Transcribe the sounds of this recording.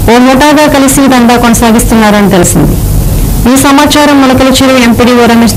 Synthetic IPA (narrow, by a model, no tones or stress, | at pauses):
oːmoːʈaːɡaːkɐlisid̪ɐɳɖaːkonɐsaːɡist̪unːaːɾɐnit̪elusind̪ḭ | iːsɐmaːt͡ʃaːɾɐmːɐnɐkɐlɐt͡ʃeːɾɐempiːɽiːʋoɾɐmi